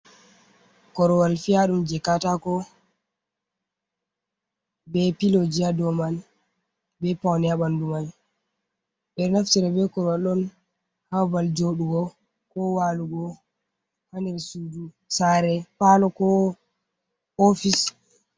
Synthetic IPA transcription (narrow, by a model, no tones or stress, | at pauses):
kɔɾɔwalfijaɗumd͡ʒɛkːatakɔ | bɛpilod͡ʒijadɔman | bɛpawnɛjaɓandumaj | ɓɛɾnaftiɾɛbɛkɔɾɔwalɔn | hawbald͡ʒoɗuɡɔ | kɔwaluɡɔ | hanɛɾsudu | saɾɛpalɔkɔ | ofis